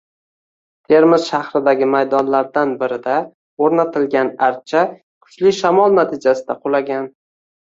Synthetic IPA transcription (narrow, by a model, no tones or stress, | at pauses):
t̪ʰe̞ɾmɪz̥ʃahɾɪd̪aɡʲɪmajd̪ɒnlaɾd̪anbɪɾɪd̪a | oɾnat̪ʰɪlɡʲanaɾt̪̚t͡ʃʰa | kʰʊ̥t͡ʃlɪʃamɒlˠnat̪ʰɪd͡ʒasɪd̪aqʰʊlaɡʲan